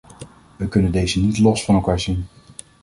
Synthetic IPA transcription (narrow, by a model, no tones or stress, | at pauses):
ʋəkɵnəndejzənitlɔsfɑnɛlˠkaːɹzin